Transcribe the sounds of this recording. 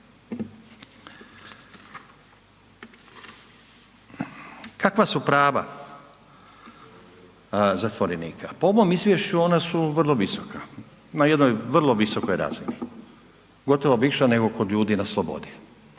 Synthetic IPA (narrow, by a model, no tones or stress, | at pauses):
kakʋasupɾaːʋa̰ | zat̪ʋoɾeniːkʰapooʋo̞ːmizʋʲje̞ʃt͡ɕuo̞nasuʋr̩lˠo̞ʋisoka | naje̞d̪nojʋr̩lˠo̞ʋiso̞kojɾa̰zini | ɡo̞t̪o̞ʋoʋiʃane̞ɡo̞ko̞d̪ʎuːd̪inaslˠobo̰d̪i